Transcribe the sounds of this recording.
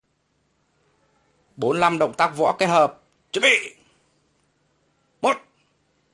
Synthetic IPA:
ɓo˨˦nla˧mɗə̰˧˨wŋ͡mt̪aː˦˥k̚vɔ̰˧˥ke˦˥t̚həː˨˩p̚ | t͡ɕə˨˧˥ɓḭ˧˨ | mo˨˩t̚

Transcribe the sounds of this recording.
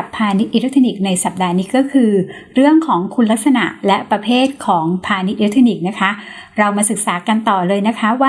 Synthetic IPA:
pʰːaː˧ni˦˥t̪ʔi˧˩ɾa˦˥t̪ʰi˧ni˨˩k̚na˧jsa˨˩p̚daː˧niː˦˥kɔː˥˩kʰɯː˧ | ɾɯ˥˩əŋkʰɔː˩˦ŋkʰu˧nla˦˥k̪̚sa˧na̰˨˩ʔlɛ˦˥pɾa˧pʰeː˥˩t̪̚kʰɔː˩˦ŋpʰaː˧ni˦˥t̪̚ʔʰt̪ʰi˧ni˨˩k̚na˦˥kʰa˦˥ | ɾa˧wmaː˧sɯ˨˩k̚saː˩˦ka˧nt̪ɔː˨˩lɤː˧jna˦˥kʰa˦˥waː˥˩

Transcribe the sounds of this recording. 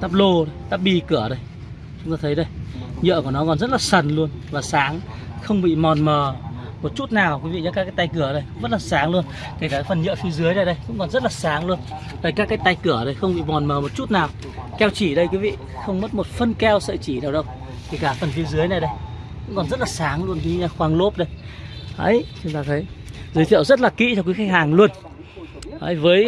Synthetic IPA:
t̪aː˦˥p̚lo˧ɗə˨˧t̪aː˦˥p̚ɓi˧kɨ˧˩əɗə˨˧j | t͡ɕʊ˨˦ŋ͡mt̪aː˧t̪ʰə˨˦jɗə˧jɲə̰˧˨knɔ˨˦kɔ˨˩nzə˦˥t̚laː˨˩sə˨˩nlu˧ənvaː˨˩saː˨˦ŋ | xə˧wŋ͡mɓḭ˧˨mɔ˨˩nməː˨˩mo˨˩t̚t͡ɕu˦˥t̚naː˨˩wkui˨˦vḭ˧˨ɲɔ˨˦kaː˦˥kaː˦j̚t̪a˧jk̬ɨ˧˩əɗə˧jkŋ͡mzə˦˥t̚laː˨˩saː˨˦ŋlu˧ən | k̪ʰi˨˩kaː˧˩fə˨˩nɲə̰˧˨fi˨˦əzɨ˨˦əjna˨˩jɗə˧jkʊ̰˧˥ŋ͡mkɔ˨˩nzə˦˥t̚laː˨˩saː˨˦ŋlu˧ən | t̪əː˧˩jkaː˦˥kːaː˨˦jt̪a˧jkɨ˧˩əɗə˨˩jxə˧wŋ͡mɓḭ˧˨mɔ˨˩nməː˨˩mo˨˩t̚t͡ɕu˦˥t̚naː˨˩w | kɛ˧wt͡ɕi˧˩ɗə˧jkwi˨˦vḭ˧˨ | xə˧wŋ͡mmə˦˥t̚mo˨˩t̚fə˧nkɛ˧wsə̰ː˧˨t͡ɕi˧˩naː˨˩wɗə˧w | k̪ʰi˨˧˩kaː˧˩fə˨˩nfi˨˧əzɨ˨˦əjna˨˩jɗə˧jkʊ̰˧˥ŋ͡mkɔ˨˩nzə˦˥t̚laː˨˩saː˨˦ŋlu˧ənki˨˦ɲaː˧˩xwaː˨˧ŋlo˦˥p̚ɗə˧jhə̰˧˦jt͡ɕʊ˨˦ŋ͡mt̪aː˧t̪ʰə˨˦jzɨ˨˦jt̪ʰḭ˧˨əwzə˦˥t̚laː˨˩kḭ˧˥t͡ɕɔ˧wk̬i˨˦xa˧˥k̚haː˨˩ŋlu˧ən | hə̰˧˦jvəː˨˦j

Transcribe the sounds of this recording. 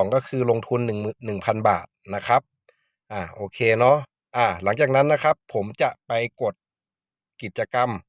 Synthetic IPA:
ŋkɔː˥˩kʰɯː˧lo˧ŋt̪ʰu˧nːɯ˨˩ŋmː˨˩nːɯ˨˩ŋpʰa˧nba̰ː˨˩t̪̚na˦˥kʰɾa˦˥p̚ | ʔaː˧˩ʔoː˧kʰeː˧nɔ˦˥ | ʔaː˧˩la˩˦ŋt͡ɕaː˨˩k̚na˦˥nːa˦˥kʰɾa˦˥pʰːo˩˦mt͡ɕa˨˩ʔpa˧jko˨˩t̪̚ | ki˨˩t̪̚t͡ɕa˧ka˧m

